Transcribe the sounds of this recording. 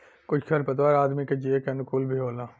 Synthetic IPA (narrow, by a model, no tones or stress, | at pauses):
kʊt͡ʃʰkʰɐɾpɐt̪waɾaːd̪miked͡ʒiekenʊkulbʱiɦoːlaː